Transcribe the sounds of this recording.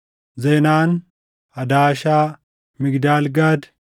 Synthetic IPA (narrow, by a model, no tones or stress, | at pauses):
zeːnaːn | ɐd̪aːʃaː | mɪɡd̪aːlɡaːd̪